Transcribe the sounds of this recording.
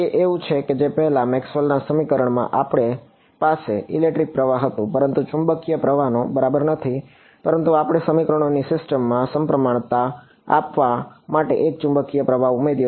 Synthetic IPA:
eʔeʋũt͡ʃʰeked͡ʒepəɦɛlamɛksʋəlnasəmikəɾəɳmã̰ʔapəɽ̃e | paseilek̚ʈɾik̚pɾəʋaɦət̪ũpəɾənt̪ut͡ʃʊ̃mbəkːijəpɾəʋanõbəɾabəɾnət̪ʰi | pəɾənt̪uapəɽ̃esəmikəɾəɳ̃onisɪsʈəmːãsəmpɾəmaɳ̃t̪a | a̰pʋamaʈḛʔek̚t͡ʃʊ̃mbəkːijəpɾəʋaumed̪j

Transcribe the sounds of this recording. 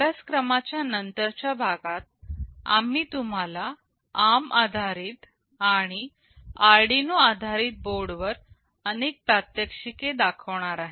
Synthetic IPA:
baskɾəmat͡ɕjanənt̪əɾt͡ɕjabʱaɡat̪̚a̰m̤iːt̪um̤ala | amad̪ʱaɾiːt̪ | aɽ̃i | aɾɖinuad̪ʱaɾiːt̪̚boɾɖʋəɾ | ənek̚pɾat̪jəkʂiked̪akʰəʋɳ̃aɾaɦe

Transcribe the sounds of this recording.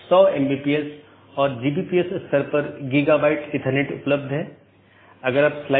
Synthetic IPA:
sɔːembiːpies | ɔːɾd͡ʒiːbiːpiesst̪ɐɾpɐɾɡiːɡaːbaːɪʈɪʈ̪ʰəɾneʈʊ̰pləb̚d̪ʱɦɛː | ɐɡəɾaːpslaː

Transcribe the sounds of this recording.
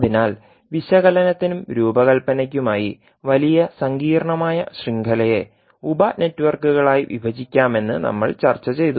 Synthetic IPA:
ðinaːl | ʋiɕɐɣɐlɐnɐt̪ːinumɾuːbɐɣɐlpɐnɐk̬ʲːumaːjḭ | ʋɐlijɐsɐŋɡiːɾɐɳɐmaːjɐɕriŋɡʱɐlɐje̞ | ubɐne̞tːuʋɐrkuɣɐɭaːjiʋḭbʱɐd͡ʑikʲːaːme̞nːɨnɐ̰mːɐ̰ɭt͡ɕɐrt͡ɕːɐt͡ɕe̞jt̪u

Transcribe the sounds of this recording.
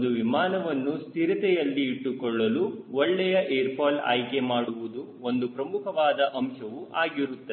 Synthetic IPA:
d̪uʋimaːnɐʋɐnːust̪ʰiɾit̪ɛjɐlːiːʈːukɔɭːɐluɔɭːɛjɐʔeːɾpaːla̰ːjkemaːɽuʋud̪u | o̞nd̪upɾɐmukʰɐʋaːd̪ɐʔɐmʂɐʋuʔaːɡiɾut̪ːɐ

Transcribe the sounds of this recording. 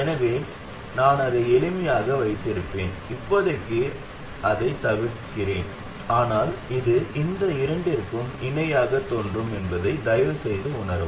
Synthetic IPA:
ɛnɐʋeːm | naːnɐðɯɛlɯmɪjaːɣɐʋɐɪt̪ːɪɾɯpːeːnɪpːɔðɐkːɯ | ʔɐðɐɪt̪ːɐʋɪɽkːɪreːn | aːnaːlɪðɯʔɪnd̪ɐɪɾɐɳɖɪɾkːɯmɪnɐjaːɣɐt̪ːoːndrɯmɛnbɐðɐɪd̪ɐjɐʋɯsɛjðɯʊɳɐɾɯ̰m

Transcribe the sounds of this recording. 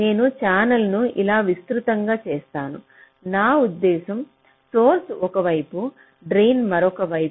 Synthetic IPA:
ne̞ːnut͡ʃaːnɐlnuilaːʋist̪ɾut̪ɐŋɡaːt͡ʃɛːst̪aːnṵ | naːud̪ːɛːsɐm | so̞ːɾsɔkɐʋɐjpu | ɖɾejnmɐɾɔkɐʋɐj

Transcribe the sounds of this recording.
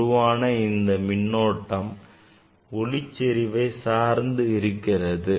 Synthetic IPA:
ʊʋaːnɐɪnd̪ɐmɪɳːoːʈːɐm | ɔɭɪt͡ʃːɛɾɪʋeːsaːɾnd̪ɯɪɾɯkːɪrɐðɯ

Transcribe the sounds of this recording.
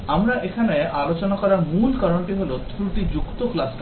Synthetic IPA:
amɾaʔekʰaneʔalot͡ɕonakɔɾaɾmulkɔɾoɳʈiɦolot̪ʰɾuʈid͡ʑukt̪oklasʈ

